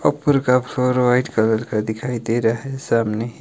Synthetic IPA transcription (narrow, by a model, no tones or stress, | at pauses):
ʌpːəɾkapʰloɾʋajʈkʌləɾkad̪ikʰajd̪eɾəɦesamne